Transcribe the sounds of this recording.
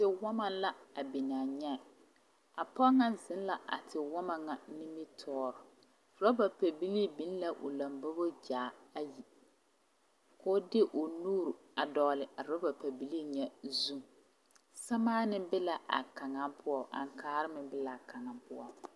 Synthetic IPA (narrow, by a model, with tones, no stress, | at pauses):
tɪ˨wɔ˦ma˦la˦a˨bi˨naː˨ɲɛ˦˨ | a˨pɔ˦ŋa˦zɪ˦n˦la˨ʔa̰˨tʰɪ˨wɔ˦ma˨ŋa˨nɪ˦mi˦tʰɔː˦ɾʊ˨ | ɾɔ˦ba˨pa˨bi˦li˦bi˦n˦la˦ʔʊ̰˨la˨mbʊ˦bo˦d͡ʒaː˨a˦ji˨ | ko˦dɪ˦ʔʊ˨nuː˦ɾu˨ | a˨dɔ˨ɣlɪ˨ʔa˨ɾɔ˦ba˨pa˨bi˦li˦ɲɛ˦zu˦˨ | sa˦maː˦nɪ˦bɪ˦la˨ʔa̰˨ka˨ŋa˦pʊ˦ɔ˦˨ʔa̰˨ŋ˨kaː˨˦ɾɪ˦mɪ˨bɪ˦la˨ka˨ŋa˨pʊ˦ɔ˨